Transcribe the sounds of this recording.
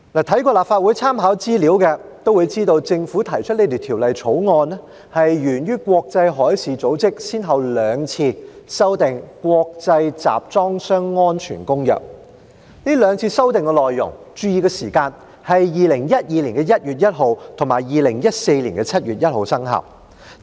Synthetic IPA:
naː˨˩t̪ʰɐ˨˥jkɔː˧laː˨˩pfaː˧t̚wuː˨˥jt͡sʰaː˥mɦaː˨˥wt͡siː˥liː˨˥wkɛː˧t̪o˥wu˨˧jt͡siː˥t̪o˧wt͡sɪ˧ŋfuː˨˥t̪ʰɐ˨˩jt͡ʃʰɵ˥t̚le˧jt̪e˨˩t̪ʰiː˨˩wlɐ˨jt͡ʃʰo˨˥wŋɔː˧nɛ˥ | hɐ˨jjyː˨˩nɥyː˥kʷwɔː˧k̚t͡sɐ˧jɦɔː˨˥jsiː˨t͡so˨˥wt͡sɪ˥k̚siː˥nɦɐ˨wlœː˨˧ŋt͡sʰiː˧sɐ˥wt̪ɪ˨ŋkwɔː˧k̚t͡sɐ˧jt͡sa̰ː˨p̚t͡sɔː˥ŋsœː˥ŋːɔː˥nt͡ʃʰy̰ː˨˩nkʊ˥ŋjœ̰ː˨˩k̚ | niː˥lœː˨˧ŋt͡sʰiː˧sɐ˥wt̪ɪ˨ŋkɛ˧lɔː˨jːʊ̰˨˩ŋ | t͡ʃyː˧jiː˨˧kɛː˧siː˨˩kaː˧n | hɐ˨jːiː˨lɪ˨˩ŋjɐ˥t̚jiː˧liː˨˩nkɛː˧jɐ˥t̚jyː˨˩t̚jɐ˥t̚ɦo˨˧wt̪ʰʊ˨˩ŋmaː˨˩jjiː˨lɪ˨˩ŋjɐ˥t̚se˧jliː˨˩nkɛ˧t͡sʰɐ˥t̚ɥyː˨t̚jɐ˥t̚ho˨˧wsɐ˥ŋɦɐ̰˨˩w

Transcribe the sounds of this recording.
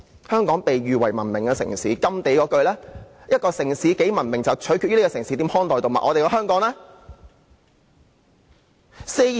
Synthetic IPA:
hœː˥ŋkɔː˨˥ŋpe˨jɥyː˨wɐ˨˩jmɐ̰˨˩nmɪ˨˩ŋkɛː˧sɪ̰˨˩ŋsḭː˨˥kɐ˥mt̪e˨˥jkɔː˨˧kɵ˧ɥlɛː˥jɐ˥t̚kɔː˧sɪ˨˩ŋsiː˨˥ke˨˥jmɐ˨˩nmɪ˨˩ŋt͡sɐ˨wt͡ʃʰɵ˨˥ɥkʰy˧t̚y˥kɔː˧sɪ˨˩ŋsi˨˥t̪iː˨˥mhɔː˥nt̪ɔː˨jt̪o˨wmɐ̰˨ʔɔː˨˧t̪e˨jkɔ˧ɦœː˥ŋkɔː˨˥ŋlɛː˥ | se˥

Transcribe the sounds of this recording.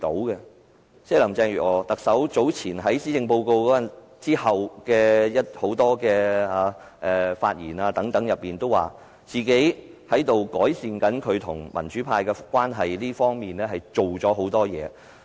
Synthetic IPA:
t̪o̰˨˥wkɛ˧ | sɛː˥lɐ˨˩mt͡sɛː˧ŋjyː˨˩ɔː˨˩t̪ɐ˨k̚sɐ˨˥wt͡so˨˥wt͡sʰiː˨˩nɦɐ˨˥jsiː˥t͡sɪ˧ŋpo˧wko˧wkɔː˨˥ɐ˨ | t͡siː˥hɐ˨wkɛː˧jɐ˥t̚ho˨˥wt̪ɔː˥kɛː˧aː˧ | ʔɛː˨fa̰ː˧t̚jiː˨˩naː˧t̪ɐ˨˥ŋt̪ɐ˨˥ŋjɐ˨p̚ːiː˨˩nt̪o˥wa̰ː˨˩ | t͡siː˨˩ke˨˥jhɐ˨˥jt̪o˨wkɔː˨˥jsiː˨˧nkɐ˨˥nkʰɵ˨˧ɥt̪ʰʊ˨˩ŋmʔɐ̰˨˩nt͡ʃyː˨˥pʰaː˧jkɛ˧kʷwaː˥nɦɐ˨jliː˥fɔː˥ŋmiː˨nlɛː˥ɦɐ˨jt͡ʃo˨wt͡ʃɔː˨˥ɦo˨˥wt̪ɔː˥jɛ̰ː˨˧

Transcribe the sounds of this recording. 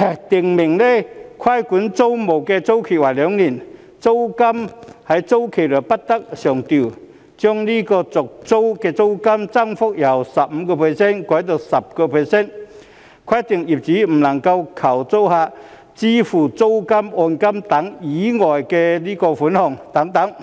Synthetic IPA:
t̪i˨˩əŋmɪ˨˩ŋle˧kʰwa˥˩jku˨˦nt͡so˦wmo˨˩wke˧t͡so˥wkʰe˨˩waː˨˩lɔ˨˧˦ŋni˨˩n | t͡so˥wka˥mha˨˩jt͡so˥wkʰe˨˩lə˨˩pa˦˥t̚t̪a˦˥k̚ɕjɔ˨˩ŋt̪i˨˩ | t͡ɕjɔ˧˥ŋli˥kɔ˧t͡sɔ˨˩k̚t͡so˥wkɛ˧t͡so˥wka˧˥mt͡sa˥˧˨ŋfɔ˥k̚ja˨˩wsa˨˩p̚m̩˨˦kɔ˧pʰə˧˩sɛ˥˨nkɔ˨˥jt̪̬o˧sa˨˩p̚kɔ˧pʰə˨˧˩sɛ˥˨n | kʰwa˥˧˥jt̪i˨˩əŋi˨˩p̚t͡ɕiː˨˥m̩˨˩nɐ˨˩ŋka˧wkʰa˨˩wt͡so˥wha˧ | t͡ɕi˦fu˨˩t͡so˥wka˦˥mʔɔ˧nka˦˥mt̪a˨˧˥ŋi˨˦ŋɔ˨˩jke˧li˦˥kɔ˧fu˨˦nhɔ˨˩ŋt̪a˨˥ŋt̪a˧˦ŋ

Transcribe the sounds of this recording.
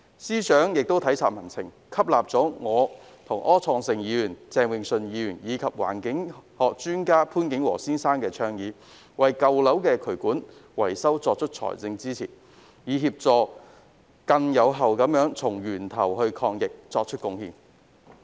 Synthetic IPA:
siː˥sœː˨˥ŋjɪ˨k̚t̪o˥wt̪ʰɐ˨˥jt͡sʰaː˨t̚mɐ˨˩nt͡sʰɪ̰˨˩ŋ | kʰɐ˥p̚laː˨p̚t͡sɔː˨˥ŋɔː˨˧ | t̪ʰʊ˨˩ŋʔɔː˥t͡sʰɔː˧ŋsɪ˨ŋjiː˨˧jyː˨˩nt͡sɛː˧ŋwɪ˨ŋsɵ˨˧njiː˨˧jyː˨˩njiː˨˧kʰɐ˨p̚wa̰ː˨˩nkɪ˨˥ŋhɔː˨k̚t͡ʃyː˥nkaː˥pʰuː˥nkɪ˨˥ŋwɔ̰ː˨˩siː˥nsaː˥nkɛː˧t͡ʃʰœː˧ŋjiː˨˥ | wɐ˨jkɐ˨˧wlɐ˨˥wkɛː˧kʰɵ˨˩ɥkuː˨˥nwɐ˨˩jsɐ˥wt͡sɔː˧k̚t͡ʃʰɵ˥t̚t͡ʃʰɔ̰ː˨˩jt͡sɪ˧ŋt͡siː˥t͡sʰḭː˨˩ | jiː˨˧ɦiː˧p̚t͡sɔː˨˧ | kɐ˧ŋjɐ˨˧wɦɐ˨wkɐ˨˥mjœː˨˥ŋt͡sʰʊ˨˩ŋjyː˨˩nt̪ʰɐ˨˩wɦɵ˧ɥkʰɔː˧ŋjɪ˨k̚t͡sɔː˧k̚t͡ʃʰɵ˥t̚kʊ˧ŋhiː˨˩n

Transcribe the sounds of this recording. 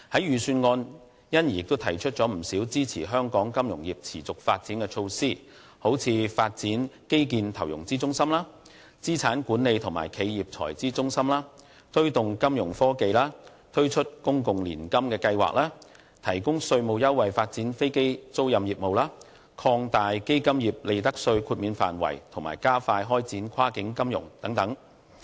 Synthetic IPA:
hɐ˨˥jɥyː˨syː˧nŋɔː˧n | jɐ˥nji˨˩jɪ˨k̚t̪o˥wt̪ʰɐ˨˩jt͡ʃʰɵ˥t̚t͡sɔː˨˥m̩˨˩siː˨˥wt͡siː˥t͡sʰiː˨˩ɦœː˥ŋkɔː˨˥ŋkɐ˥mjʊ˨˩ŋjiː˨p̚t͡sʰiː˨˩t͡sʊ˨k̚faː˧t̚t͡siː˨˥nkɛː˧t͡ʃʰo˧wsiː˥ | ho˨˥wt͡sʰiː˨˧faː˧t̚t͡siː˨˥nke˥jk̬iː˨˧nt̪ʰɐ˨˩wjʊ̰˨˩ŋt͡siː˥t͡sʊ˥ŋsɐ˥mlaː˥ | t͡siː˥t͡sʰaː˨˥nkuː˨˥nne˨˧jt̪ʰʊ˨˩ŋma̰ː˨˩jkʰe˨˧jjiː˨˩p̚t͡sʰɔ̰ː˨˩jt͡siː˥t͡sʊ˥ŋsɐ˥mlaː˥ | t̪ʰɵ˥ɥt̪ʊ˨ŋkɐ˥mjʊ˨˩ŋfɔː˥ke˧jlaː˥ | t̪ʰɵ˥ɥt͡ʃʰɵ˥t̚kʊ˥ŋkʊ˨ŋlḭː˨˩nkɐ˥mkɛː˧kɐ˧jwa̰ː˨k̚laː˥ | t̪ʰɐ˨˩jkʊ˥ŋsɵ˧ɥmo˨˧wjɐ˥wːɐ˨jfaː˧t̚t͡siː˨˥nfe˥jke˥jt͡so˥wjɐ˨mjiː˨p̚mo˨wlaː˥ | kʰɔː˧ŋt̪aː˨jke˥jkɐ˥mjiː˨˩p̚le˨˧jt̪ɐ˥k̚sɵ˧ɥkʰuː˧t̚miː˨˧nfa̰ː˨nwɐ̰˨˩jt̪ʰʊ˨˩ŋma̰ː˨˩jkaː˥faː˧jɦɔː˥jt͡siː˨˥nkʰwaː˥kɪ˨˥ŋkɐ˥mjʊ̰˨˩ŋt̪ɐ˨˥ŋt̪ɐ˨˥ŋ

